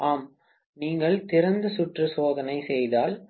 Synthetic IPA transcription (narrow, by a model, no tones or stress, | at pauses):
ʔaːm | niːŋɡɐɭt̪ɪɾɐnd̪ɯsʊʈrɯsoːðɐnɐɪsɛjðaːl